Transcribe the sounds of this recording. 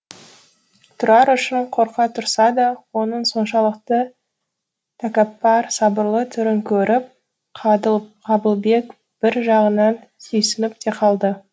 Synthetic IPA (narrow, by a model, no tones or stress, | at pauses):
t̪ʰʊɾɑɾʏʃɪɴqʰo̞ɾqɑt̪ʰʊɾsɑd̪ɑwo̞nəɴso̞nʃɑlˠəq̚t̪ə | t̪ʰakapːɑɾsɑbəɾlˠət̪ʰʏɾɪŋkʲʰɵɾʔɪp̚ | q̪ʰqʰɑbəlˠbe̞k | b̥ɪɾʒɑʁənɑn | sɵjsɪnɪp̚t̪ʰe̞qʰɑlˠd̪ə